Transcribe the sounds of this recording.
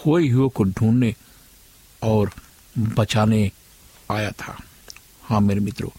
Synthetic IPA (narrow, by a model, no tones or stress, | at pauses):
hoːiɦʊokoɖʱũːnne | ɔːɾ | bɐt͡ʃaːne | aːjat̪ʰa̰ː | hãːmeːɾemɪt̪ɾo̰ː